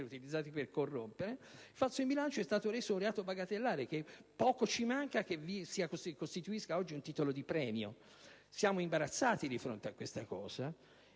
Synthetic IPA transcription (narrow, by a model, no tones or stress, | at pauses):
ɾeut̪ilid̪zːaːt̪iperkorːompeɾefat̪sːoimbilant͡ʃoɛst̪aːt̪oɾesːounreaːt̪obaɡat̪elːaːɾek̟epːɔːkot͡ʃimaŋkakevisiakoskost̪it̪uiskaɔd͡ʒːiunt̪iːt̪olod̪ipɾɛːmjo̰ | sjaːmoimbaɾat̪sːaːt̪id̪ifɾo̰nt̪eakːwest̪akɔːz̥a